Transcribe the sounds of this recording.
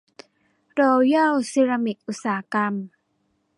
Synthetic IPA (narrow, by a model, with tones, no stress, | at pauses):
ɾɔː˧ja˥˩wsi˧ɾa˧mi˨˩k̚ʔu˨˩t̪̚saː˩˦ka˧m